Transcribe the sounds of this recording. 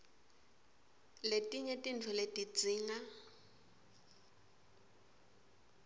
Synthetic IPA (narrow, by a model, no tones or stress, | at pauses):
letʼiɲetʼin̩tʰʊletʼit͡sʼiːŋa